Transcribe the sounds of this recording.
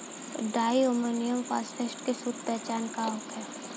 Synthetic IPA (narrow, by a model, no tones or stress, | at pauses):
ɖaːiomonijəmfaːsʈesʈkesud̪̚pɛɦt͡ʃaːnkaoːkɛ